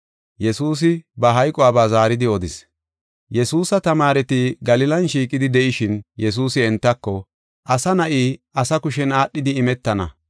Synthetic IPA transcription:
jɛsuːs̬ɪbɐɦɐjkʼɔwaːbaːzaːɾɪd̪ɪɔd̪ɪs | jɛsuːsɐt̪ɐmaːɾɛt̪ɪɡɐlɪlɐnʃiːkʼɪd̪ɪd̪ɛʔɪʃɪnjɛs̬uːsɪɛnt̪ːɐkːɔ | ʔɐsɐnɐʔiːɐsɐkʊʃɛnaːɗːɪd̪ɪːmɛt̪ːɐnɐ̰

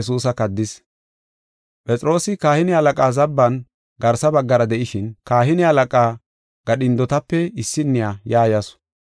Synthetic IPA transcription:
s̬uːsɐkɐd̪ːɪs | pʼɛt͡sʼɪɾo̞ːsɪkaːhɪnɪhɐlɐkʼaːzɐbːɐn | ɡɐɾsɐbɐɡːɐɾɐd̪ɛʔɪʃɪnkaːɦɪnɪhɐlɐkʼaː | ɡ̥ɐɗɪnd̪ɔt̪ɐpːɛɪsːɪnːɪjaːjaːjɐsʊ̥

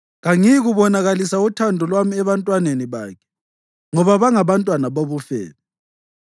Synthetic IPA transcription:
ɣaŋijiɣuβɔnaɣalisautʰandʱɔlwamiɛβantʼwaneniβa̰ːkʰɛ̥ | ŋɔβaβaŋaβantʼwanaβoβufɛ̰ːla

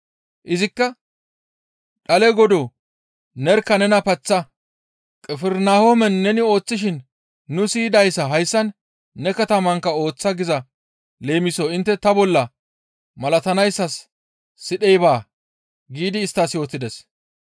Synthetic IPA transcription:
ʔɪzɪkːɐ | ɗɐlɛɡɔd̪o | nɛɾkːɐnɛnɐpɐt͡sːɐ | kʼɛfɛɾnaːhomɛnːɛnɪo̞ːt͡sːɪʃ̬ɪnː | ʊsiːd̪ɐjsɐɦɐjsːɐnː | ɛkɐt̪ɐmɐŋkːɐo̞ːt͡sːɐɡɪzɐ | le̞ːmɪsoːɪnt̪ːɛt̪ɐbɔlːɐ | mɐlɐt̪ɐnɐjsːɐsː | ɪɗɛjbaː | ɡiːd̪ɪːst̪ːasjo̞ːt̪ːɪd̪ɛs

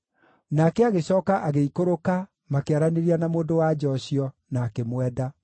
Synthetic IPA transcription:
nakɛaɣeɕɔːkaʔaɣeikoɾoka | makeaɾaneɾianamoːndowad͡ʒɔɕiɔ | naːkemwɛda

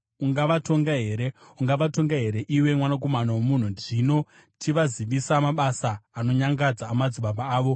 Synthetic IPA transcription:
uŋɡaʋato̞ŋɡaɦe̞ːɾeuŋɡaʋato̞ŋɡaɦe̞ɾe̞ʔiwe̞mwanak̬o̞manawomun̤uʐino̞ | tʰiʋaziʋisamaɓasaːno̞ɲaŋɡad͡zaːmad͡ziɓaɓaaːʋo̞

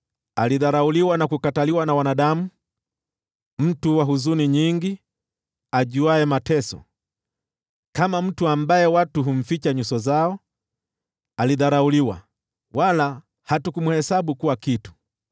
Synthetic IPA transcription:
aliðaɾauliwanakukataliwanawanaɗamu | m̩tuwaɦuzuniɲiŋɡi | aʄuaɛmatɛsɔ̰ | kamam̩tuambajɛwatuɦum̩fit͡ʃaɲusɔzaɔ | aliðaɾauliwa̰ | wala | hatukumuhɛsaɓukuwakitu̥

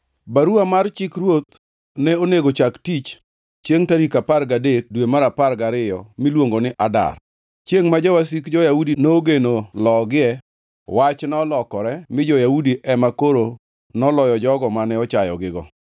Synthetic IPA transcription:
baɾuamart͡ʃɪkɾwot̪̚ | nɛoneɡot͡ʃaktit͡ʃ | t͡ʃjeŋtaɾikaparɡadet̚dwemaɾaparɡaɾɪjɔmilwoŋɡonɪʔada̰r | t͡ʃjeŋmad͡ʒawas̬ikd͡ʒɔjaudinoɡenolɔɡɪɛ | wat͡ʃnɔlɔkɔɾɛmɪd͡ʒɔjaudiʔɛmakoɾo | nɔlɔjɔd͡ʒɔɡɔmanɛɔt͡ʃajɔ̰ɡɪɡɔ

